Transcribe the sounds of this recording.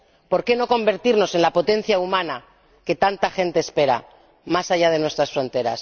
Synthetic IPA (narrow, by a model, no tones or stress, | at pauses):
po̞ɾke̞no̞ko̞mbe̞ɾt̪iɾno̞se̞nlapo̞t̪e̞n̟θjaumãna | ke̞t̪ant̪axe̞nt̪eːspe̞ɾa̰ | masaʝað̞e̞nwe̞st̪ɾasfɾo̞nt̪e̞ɾa̰s